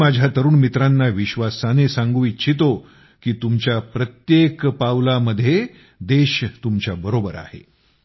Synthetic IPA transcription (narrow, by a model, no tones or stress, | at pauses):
mad͡ʑʱjat̪əɾuːnmit̪ɾanːaʋiɕʋasanesãŋɡuːit͡ɕʰit̪o | kiːt̪umt͡ɕjapɾət̪jekpawlaməd̪ʱːje | d̪eɕt̪umt͡ɕjabəɾobəɾa̰hḛ